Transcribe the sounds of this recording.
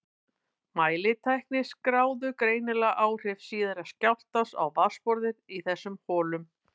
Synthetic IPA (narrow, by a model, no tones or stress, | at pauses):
maːjlɪt̪ʰajhknɪskɾaːwðʏkɾeːjnɪlaʔaːwr̥ɪfsiːðaɾascawr̥t̪asa̰wvaspɔɾðɪɾiθɛsːʏmhɔːlʏm